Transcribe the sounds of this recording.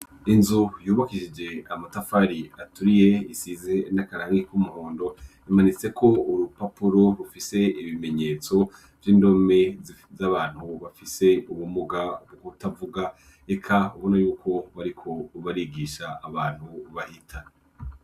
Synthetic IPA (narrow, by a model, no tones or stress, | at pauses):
inzujuːβakiʃid͡ʒe̞amatafaɾiatuɾije̞isizenakaɾaaŋikumuhoːndo̞ | imanit͡se̞kʰo̞uɾupapuɾo̞ɾufise̞iβime̞ɲe̞ːt͡so̞ | vjiːndo̞me̞ | zaβaːn̥huβafise̞uβumuɡabɡoutavuɡa | ekʰauβo̞najuːkʰo̞βaɾikʰo̞βaɾiɡiʃaːβaːn̥huβahitʰa